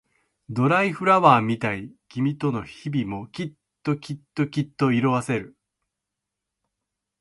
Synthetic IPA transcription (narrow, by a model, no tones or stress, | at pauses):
d̪o̞ɾaiɸɯ̟ɾaβaːmʲit̪aikʲimʲit̪o̞no̞çibʲimo̞kʲit̪ːo̞kʲit̪ːo̞kʲit̪ːo̞iɾo̞βase̞ɾɯ̟